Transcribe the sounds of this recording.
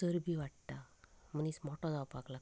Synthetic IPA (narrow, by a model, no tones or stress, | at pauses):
səɾbʱiʋaʈt̪am̤ənismɔʈɔ̃nawpakla